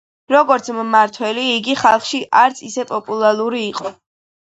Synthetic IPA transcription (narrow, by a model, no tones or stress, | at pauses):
ɾɔɡɔɾt̪sʰmmaɾt̪ʰwɛliːɡiχalˠχʃiʔaɾt̪sʰisɛpʼɔpʼulˠaɾuɾiːqʼɔ